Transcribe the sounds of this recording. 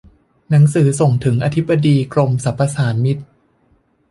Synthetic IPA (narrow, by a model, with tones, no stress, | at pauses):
na˩˦ŋsɯː˩˦so˨˩ŋt̪ʰɯ˩˦ŋʔaː˧t̪ʰi˦˥pbːa˧diː˧kɾo˧msa˨˩˦pʰːa˧saː˩˦nmi˦˥t̪̚